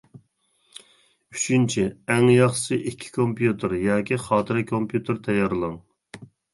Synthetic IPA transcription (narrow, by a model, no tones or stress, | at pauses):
yt͡ʃʰynt͡ʃʰiɛŋjɑχsɨʔikʲʰːi̥kʰompʰjut̪ʰɨɾjɑːkʲʰiχɑːt̪ʰɨɾɨkʰompʰjut̪ʰɨɾt̪ʰɛjɑɾlˠɑŋ